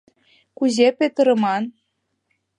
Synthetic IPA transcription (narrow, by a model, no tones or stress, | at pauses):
kuzepʲet̪ɤ̆ɾɤ̆mɑn